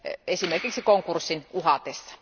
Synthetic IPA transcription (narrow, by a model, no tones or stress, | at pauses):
esimerkiksikoŋkursːinuhɑt̪esːɑ̥